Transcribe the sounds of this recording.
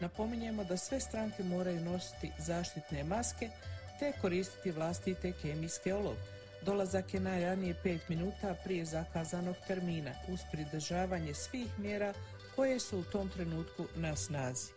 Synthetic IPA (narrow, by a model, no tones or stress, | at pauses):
napo̞miɲe̞mo̞d̪asʋe̞st̪ɾaŋke̞mo̞ːɾajuno̞si̥t̪ḭzaːʃt̪it̪ne̞maske̞t̪e̞ko̞ɾiːst̪i̥t̪iʋlˠast̪it̪e̞kemijske̞olˠo̰ɡ | d̪o̞lˠazakje̞najɾanije̞pe̞ːt̪minuːt̪apɾije̞zakaːzano̞ɡt̪e̞ɾmiːna̰uz̥pɾid̪ɾ̩ʒaːʋaːɲe̞sʋiːxmje̞ːɾaː | ko̞je̞suːt̪o̞mt̪ɾe̞nuːt̪kunasnaːzi